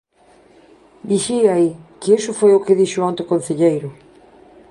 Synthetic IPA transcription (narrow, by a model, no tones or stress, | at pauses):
d̪iʃiaikɪesʊfojʊkɪðiʃʊant̪ʊkon̟θeʎejɾʊ